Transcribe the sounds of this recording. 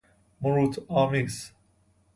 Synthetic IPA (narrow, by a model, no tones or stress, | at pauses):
muɾut̪ʰaːmis